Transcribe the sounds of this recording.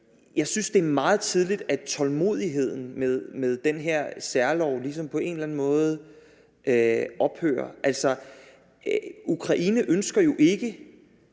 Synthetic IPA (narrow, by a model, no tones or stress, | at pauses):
jɑ̈ɪsynsd̥e̝ɐmɑ̈ːð̞̩ˠt͡sʰið̞ˠlid̥æt͡sʰɒ̽lmo̝̰ð̞̰ˠiɦe̝ð̞̰ˠn̩meðˠmeðˠd̥enɦeɐ̰sæɐlɒʊlis̬ɒ̽mpʰɒ̽e̝ːnelæn̩mɔ̽ːð̞̩ˠ | ʔøʔɒ̽b̥hø̰ːɐʔælsɒ | ukʰʁɑ̈ʔiːnəʔønsɡ̥ɐjo̝ʔe̝ɡ̥ə